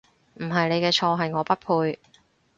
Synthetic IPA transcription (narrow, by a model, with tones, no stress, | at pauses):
m̩˨˩ɦɐ˨jne˨˧jkɛː˧t͡ʃʰɔː˧ɦɐ˨jŋɔː˨˧pɐ˥t̚pʰuː˧j